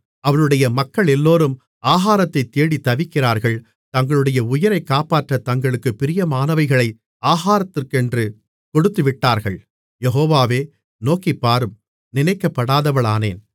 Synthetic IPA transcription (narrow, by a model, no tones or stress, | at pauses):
ɐʋɐɭɯɽɐjɐmɐkːɐɭɛlːoːɾɯm | aːɣaːɾɐt̪ːɐɪt̪ːeːɽit̪ːɐʋɪkːɪraːɾɣɐɭ | t̪ɐŋɡɐɭɯɽɐjɐʊjɪɾɐɪkːaːpaːʈrɐt̪ɐŋɡɐɭɯkːɯpːɪɾɪjɐmaːnɐʋɐɪɣɐɭɐɪ | aːɣaːɾɐt̪ːɪrkɛndrɯ | kɔɽɯt̪ːɯʋɪʈːaːɾɣɐɭ | jɛɦoːʋaːʋeː | noːkɪpːaːɾɯm | nɪnɐɪkːɐpːɐɽaːðɐʋɐɭaːnḛːn